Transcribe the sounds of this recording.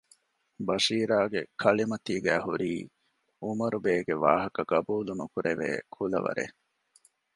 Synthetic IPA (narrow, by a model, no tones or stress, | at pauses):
bɐʂiːɾaːɡḛkʰɐlimɐt̪iːɡæːhuɾiː | umɐɾubeːɡeʋaːɦɐkɐɡɐbuːlunukuɾeʋḛːkʰulɐ̰ʋɐ̰ɾḛ